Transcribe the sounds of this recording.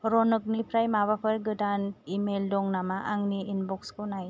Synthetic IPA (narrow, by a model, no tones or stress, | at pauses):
ɾɔnɯk̚nipʰɾajmaβapʰɯɾɡɯdanimeldɔŋnamaʔaŋniːnbɔkskɯnaj